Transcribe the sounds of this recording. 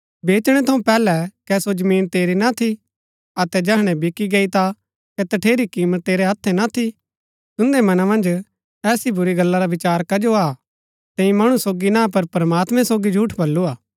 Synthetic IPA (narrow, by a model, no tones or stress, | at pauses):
beːt͡ʃɽ̃ɛt̪ʰɐũpɛːlɛkɛsod͡ʒɐmĩːnt̪eːɾinat̪ʰi | ɐt̪ɛd͡ʒɛɦɽ̃ɛ̃bɪkiɡeit̪a | kɛt̪ɐʈʰeːɾikiːmət̪ːeːɾeɦɐt̪ʰːɛnat̪ʰi | t̪ʊ̃nd̪emɐnamɐ̃nd͡ʒ | ɛːsibʊɾiɡɐlːaɾaʋɪt͡ʃaːɾkɐd͡ʒoa | t̪ɛ̃ːĩmɐɽ̃usoːɡinãp̬ɐɾpɾɐmaːt̪mɛ̃soːɡid͡ʒʱuːʈʰbɐlːuaː